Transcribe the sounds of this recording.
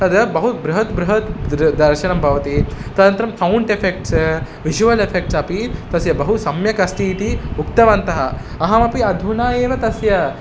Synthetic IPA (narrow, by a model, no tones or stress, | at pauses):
t̪ɐd̪ɐbɐɦubɾɐɦɐt̪bɾuɦɐt̪ɾd̪ɐɾʃɐɳɐmbʱɐʋɐt̪it̪ɐd̪ɐnt̪ɾɐmfʰɐwuɳɖepʰek̚ʈs | ʋid͡ʒuʋɐlepʰek̚ʈsɐpit̪ɐsjɐbɐɦusɐmjɐkɐst̪it̪iukt̪ɐʋɐnt̪ɐɦɐ | ɐɦɐmɐpiɐd̪ʱunaːjeːʋɐt̪ɐsjɐ